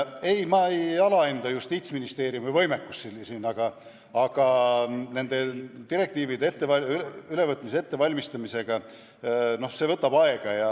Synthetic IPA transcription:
e̞jmɑejɑlɑend̪̥ɑjust̪iːt̪sminist̪e̞ːɾijumivɤ̞jme̞kːusːilsiːnɑɡ̥ɑ | ɑɡ̥ɑne̞nd̪̥e̞d̪iɾe̞kt̪iːvid̪eet̪ːe̞vɑlʲylyle̞vɤt̪ːˑmis̬ee̞t̪ːe̞vɑlʲmist̪ɑmise̞ɡ̥ɑ | no̞hse̞vɤt̪ːˑɑb̥ɑe̞ɡ̥ɑjɑ

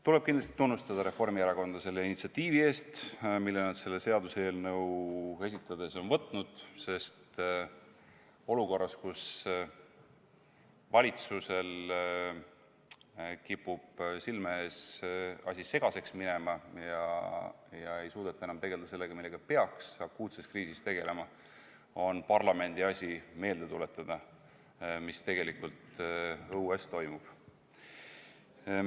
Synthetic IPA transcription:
t̪ule̞b̥̚kind̪lɑst̪i̥t̪unːust̪ɑd̪̥ɑɾe̞fo̞rmieɾɑko̞nd̪̥ɑse̞lːe̞init̪siɑt̪ːiːvie̞ːst̪milːenɑd̪se̞lːe̞se̞ɑd̪useːlne̞ue̞s̬ʲit̪ˑːɑd̪e̞so̞nvɤt̪ːˑnud̪̥se̞st̪ | o̞luko̞rːɑskus | vɑlʲit̪suse̞l | kipːub̥silmeesɑ̰sʲise̞ɡ̥ɑse̞ksmine̞mɑjɑ | jɑe̞jsuːd̪ɑt̪ːˑɑe̞nɑmt̪e̞ɡeld̪ɑse̞lːe̞ɡ̥ɑmilːeɡ̥ɑpe̞ɑksɑkːuːt̪se̞skriːsist̪e̞ɡ̥e̞le̞mɑ | o̞npɑrlɑme̞nd̪̥iɑsʲime̞ːld̪et̪ulet̪ːˑɑd̪̥ɑ | mist̪e̞ɡ̥e̞likult̪ɤuest̪o̞jmub̥

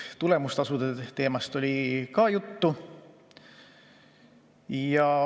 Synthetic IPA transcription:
t̪ule̞must̪ɑsud̪et̪e̞ːmɑst̪o̞lʲikɑjut̪ːu | jɑ

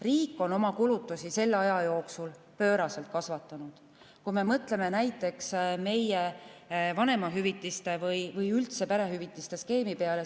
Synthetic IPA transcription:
riːkːˑo̞no̞mɑkulut̪ːˑusise̞lːɑjɑjo̞ːksul | pø̞ːɾɑse̞lt̪̚kɑsvɑt̪ːˑɑnud̪̥ | kume̞mɤt̪ˑle̞me̞næjt̪ːˑe̞ksme̞jevɑne̞mɑɦyvit̪ːˑist̪e̞vɯjvɯjylt̪se̞pæɾe̞ɦyvit̪ːˑist̪e̞ske̞ːmipeɑle̞

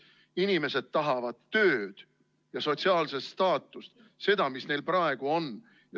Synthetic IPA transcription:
inime̞se̞d̪̥̚t̪ɑɦɑvɑd̪ːø̞ːd̪̥ | jɑso̞t̪ʲsiɑːlsest̪ɑːt̪ːˑust̪ | se̞d̪ɑmisne̞jlprɑe̞ɡ̥uo̞n | jɑ

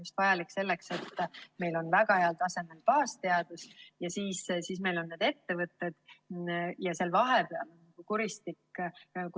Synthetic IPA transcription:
just̪vɑjɑlikːse̞lːekse̞t̪ːme̞jlo̞nvæɡɑhe̞ɑlt̪ɑse̞me̞lpɑːst̪e̞ɑd̪̥usjɑsiːssiːsme̞jlo̞nːeːd̪̥e̞t̪ːe̞vɤt̪ːe̞d̪̥ | jɑse̞lvɑɦe̞peɑmnɑɡ̥ukuɾist̪ikːk

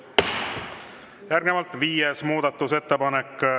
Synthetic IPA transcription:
jæɾɡ̥emɑlt̪viːjesmuːd̪̥ɑt̪ˑːuse̞t̪ːepɑnekː

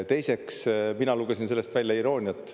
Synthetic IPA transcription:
t̪e̞jse̞ksminɑluɡ̥esinse̞lːe̞st̪vælʲjɑiɾo̞ːnʲiɑt̪ːˑ

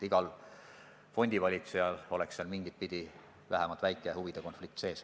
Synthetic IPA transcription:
iɡ̥ɑl | fo̞nʲd̪̥ivɑlʲit̪sejɑlo̞leksseɑlmiŋɡ̥it̪̚pid̪̥i | væɦemɑlt̪væjkːˑehuvid̪̥eko̞nflik̚t̪se̞ːs

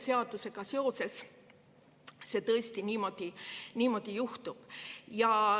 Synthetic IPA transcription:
seɑd̪̥use̞ɡ̥ɑseo̞se̞s | se̞t̪ɤest̪iniːmo̞d̪̥ʲinʲiːmo̞d̪̥ʲijuht̪ub̥jɑ

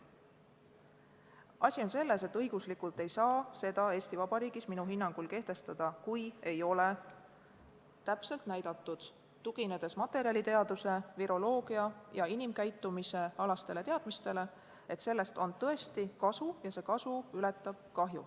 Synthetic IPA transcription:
ɑsʲio̞nse̞lːe̞se̞t̪ːɤjɡ̥uslikult̪ˑe̞jsɑːse̞d̪̥ɑe̞ːsʲt̪ivɑb̥ɑɾiːɡisminuɦinːɑŋɡ̥ulke̞ht̪e̞st̪ɑd̪̥ɑkuje̞jo̞le̞ | t̪æpse̞lt̪næjd̪̥ɑt̪ˑːud̪̥ | t̪uɡ̥ine̞d̪̥e̞smɑt̪ːˑe̞ɾiɑlʲit̪e̞ɑd̪use̞viɾo̞lo̞ːɡ̥iɑjɑinimkæjt̪ːˑumise̞ɑlɑst̪e̞le̞t̪eɑd̪mist̪e̞le̞ | e̞t̪se̞lːe̞st̪o̞nt̪ɤ̞est̪ikɑsujɑse̞ːkɑsuylet̪ˑːɑb̥kɑɦjṵ

